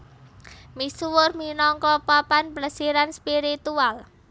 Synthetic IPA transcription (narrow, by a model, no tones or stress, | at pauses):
misuwʊrminɔŋkɔpapanpləsiɾanspiɾit̪ual